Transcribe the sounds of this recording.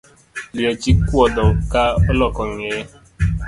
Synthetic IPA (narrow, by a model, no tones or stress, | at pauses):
liɔt͡ʃikuɔdɔkaɔlɔkɔŋe